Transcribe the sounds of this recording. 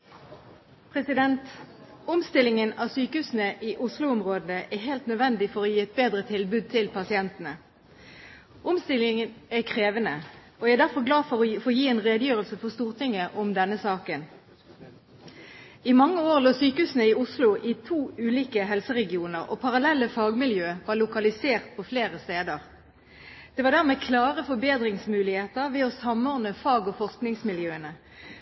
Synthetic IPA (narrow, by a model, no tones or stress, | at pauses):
pʰʁɛsɪd̪ɛnt̪ʊmst̪ɪlːɪŋənɑːʋsyːkəhʉːsn̩əʔiːʔʊslʊʊmʁoːd̪n̩əʔɛhɦɛːlt̪nœd̪ʋɛnd̪ɪfɔʁoːjiːɛt̪̚beːd̪ʁət̪ʰɪlbʉːd̪̚t̪ʰɪlpʰɑsɪɛnt̪ənə | ʊmst̪ɪlɪŋənækʰʁeːʋənə | oːææɛd̪æʁfɔʁɡlɑːfɔʁfojiːɛːnʁeːd̪əjøːʁəlsəfɔʁst̪uːʁt̪ʰɪŋəʔʊmd̪ɛnːəsɑːkən | ɪmɑŋːəoːʁloːsyːkəʉːsənəɪʊslʊʔɪt̪ʰuːʉːliːkəɦɛlsəʁɛɡɪuːnəʁɔ̰pʰɑʁɑlɛlːəfɑːɡmɪljøːʋɑlʊkɑlɪseːʁt̪̚pʰɔfleːʁəst̪eːd̪əʁ | d̪̥ɛʋɑʁd̪æʁmeːkʰlɑːʁəfɔbeːd̪ʁɪŋsmʉːlɪheːt̪əʁʋɛɔsɑmɔʁnəfɑːɡɔfɔʁsknɪŋsmɪljøːənə